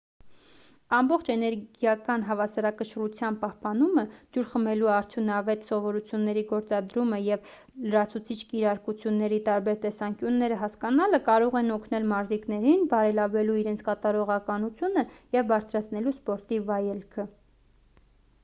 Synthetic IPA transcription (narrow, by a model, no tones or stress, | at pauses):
ɑmbɔχt͡ʃʰɛnɛɾɡjɑkɑnɦɑvɑsɑɾɑkəʃrut͡sʰjɑnpɑhpɑnuməd͡ʒuɾχəmɛluɑɾt͡s̪ʰjunɑvɛt̪sɔvɔɾut͡sʰjunːɛɾiɡɔɾt͡sɑd̪ɾuməjɛv | ləɾɑt͡sʰut͡sʰit͡ʃʰkiɾɑɾkut͡sʰjunːɛɾit̪ɑɾbɛɾt̪ɛsɑŋkjunːɛɾəɦɑskɑnɑləkɑɾɔʁɛnɔkʰnɛlmɑɾziknɛɾinbɑɾɛlɑvɛluiɾɛnt͡sʰkɑt̪ɑɾɔʁɑkɑnut͡sʰjunəjɛvbɑɾt͡sʰɾɑt͡sʰnɛluspɔɾt̪ivɑjɛlkʰə